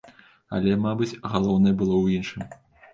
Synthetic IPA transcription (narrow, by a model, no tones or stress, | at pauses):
ɐ̰lʲɛmabɨt͡sʲɣalˠɔwnɐjɛbɨlˠɔwjinʂɨm